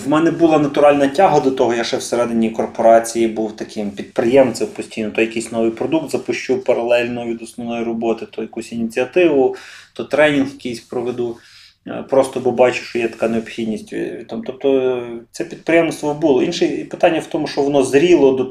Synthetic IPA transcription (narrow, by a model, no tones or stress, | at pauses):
ʋmɛnɛbʊlˠɑnɐt̪ʊɾɑlʲnɐtʲɑɦɐd̪ɔt̪ɔɦɔjaʃɛwseɾɛd̪ɪnʲijkɔrpɔɾɑt͡sʲijibuwt̪ɐkɪmpʲid̪pɾɪjɛmsɪwpɔsʲtʲijnɔt̪ɔjɐkijsʲnɔʋɨjpɾɔd̪uk̚t̪zɐpʊʃt͡ʃupɐɾɐlˠɛlʲnʊʋʲid̪ɔsnɔʋnɔjirɔbɔt̪ɪt̪ɔjɐkusʲinʲit͡sʲiɐt̪ɪʋʊt̪ɔt̪ɾɛnʲinxjɐkijsʲpɾɔʋed̪u | pɾɔst̪ɔbɔbɑt͡ʃʊʃt͡ʃɔjɛt̪ɐ̥kɑneɔbxʲid̪ʲnʲisʲtʲt̪ɑmt̪ɔp̚t̪ɔt̪sɛpʲid̪̚pɾɪjɛmst̪ʋɔbulˠɔinʃɛpɪ̥t̪ɑnʲːɐwt̪ɔmʊʃt͡ʃɔʋɔnɔzɾʲilˠɔd̪ɔ